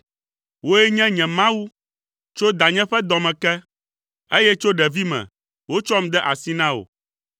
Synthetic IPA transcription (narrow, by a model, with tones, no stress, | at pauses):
wo˦ɛ˦ɲɛ̃˦ɲɛ̃˨mã˦wu˦ | t͡ʃo˦d̪a˨ɲɛ̃˦ɸɛ˦d̪ɔ˨mɛ̃˨kɛ˦ | e˦jɛ˦t͡ʃo˦ɖɛ˨vi˦mɛ̰̃˨ | wo˦t͡ʃɔ˦m˦d̪ɛ˦ʔa˨si˦nã˦wo̰˨